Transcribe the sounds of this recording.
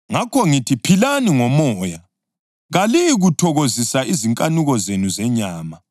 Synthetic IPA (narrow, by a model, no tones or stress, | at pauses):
ŋakʰɔŋitʰipʰilaniŋɔmɔːja | ɣaliiɣutʰɔɣozisaiziŋkʼanuɣɔzenuzɛɲaːma